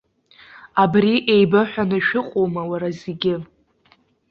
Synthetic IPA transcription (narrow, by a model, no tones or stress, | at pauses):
abriʔejbaħʷᶣanɨʃɪqʷʼowmawaɾazeɡʲɪ